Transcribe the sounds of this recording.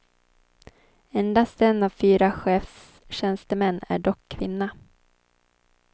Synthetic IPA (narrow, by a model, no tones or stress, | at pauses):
ɛnd̪ast̪ɛnːavfyːɾaɧɛːfs | ɕɛnst̪əmɛnːæ̰ɖɔkʰːvɪnːa